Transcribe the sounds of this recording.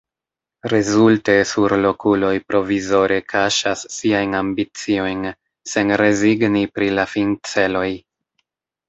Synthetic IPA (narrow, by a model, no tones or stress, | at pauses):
ɾe̞zulte̞suɾlo̞kulo̞jpɾo̞vizo̞ɾʔe̞kʰaʃasːiajnambit͡sio̞jn | se̞nɾe̞ziɡnipɾilafint͡se̞lo̞j